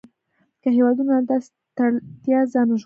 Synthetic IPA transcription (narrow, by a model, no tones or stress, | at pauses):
kəɦewɑd̪unoad̪as | t̪at̪jɑzɑnoʒ